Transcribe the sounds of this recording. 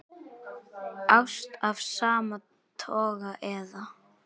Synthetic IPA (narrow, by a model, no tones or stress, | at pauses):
awst̪avsaːma | t̪ʰɔːɣaʔɛða